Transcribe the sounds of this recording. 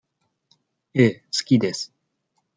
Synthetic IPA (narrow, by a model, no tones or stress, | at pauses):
eːsɨ̥kʲid̪e̞sɨ̥